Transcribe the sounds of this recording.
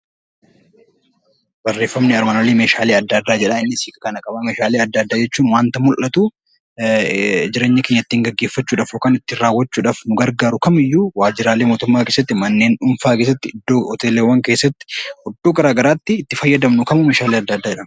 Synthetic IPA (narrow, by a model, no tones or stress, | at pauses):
bɐrːe̞ːfːɐmnɪɐɾmaːnoːlemeːʃaːleːɐd̪ːad̪ːaːd͡ʒɛᶑɐɪnːɪsiːkʼɐkɐnɐkʼɐbameːʃaːleːɐd̪ːɐd̪ːaːd͡ʒɛt͡ʃːuːnwaːnt̪ɐmʊlʔɐt̪u | d͡ʒɪɾeːɲːɐkeːɲːɐt̪ːiːŋɡɐɡːe̞ːfːɐt͡ʃːuːᶑaːfoːkaːnɪt̪ːɪɾaːwːɐt͡ʃːuːᶑaːfnʊɡɐɾɡaːɾʊkɐmɪjːuːwaːd͡ʒɪɾaːleːmoːt̪ʊmːaːkesːɐt̪ːɪmɐnːe̞ːnᶑʊmfaːkes̬ːɐt̪ːɪɪd̪ːoːɔt̪e̞ːleːwːɐŋkesːɐt̪ːɪ̥hɔd̪ːoːɡɐɾaːɡɐɾaːt̪ːɪt̪ːɪfɐjːɐd̪ɐmnʊkɐmʊmeːʃaːleːɐd̪ːɐd̪ːaːd͡ʒɛᶑɐm